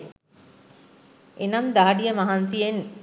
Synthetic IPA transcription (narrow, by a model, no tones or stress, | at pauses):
enɐmd̪aɐɖijɐmɐɦansijen